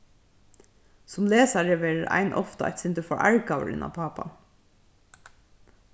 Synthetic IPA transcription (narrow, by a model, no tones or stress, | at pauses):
sɔmleːsɑɖɛːʋeːɹəɾʔæ̰ɪnʔɔft̪ɑɑ̰ɪt̪sɪnt̪əfɔɹʔæɹkɑːʋə̰ɹʔɪ̰nɑ̰pʰɑːpɑ̰